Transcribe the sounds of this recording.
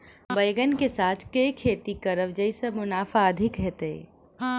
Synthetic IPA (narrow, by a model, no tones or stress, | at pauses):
bəjɡənkesaːt̪ʰkekʰeːt̪ikəɾəʋd͡ʒəɪsəmʊnaːfʰaəd̪ʱɪkɦɛːt̪e